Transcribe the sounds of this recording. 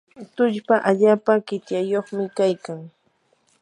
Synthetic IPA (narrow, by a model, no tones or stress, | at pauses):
t̪ʊʎpaʔaʎaːpakɪt̪jajoχmɪkajkaŋ